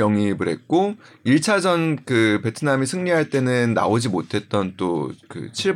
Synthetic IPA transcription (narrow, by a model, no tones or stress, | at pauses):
jʌŋibɯɾɦe̞t̚k͈o | iɭt͡ɕʰad͡ʑʌnkɯpe̞tʰɯnamisʰɯŋɲiɦaɭt͈e̞nɯnːa̰od͡ʑimotʰe̞t̚t͈ʌnt͈okɯ̰t͡ɕʰiɭ